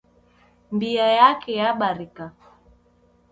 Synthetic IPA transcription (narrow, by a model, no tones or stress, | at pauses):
mbiajakɛjaɓaɾika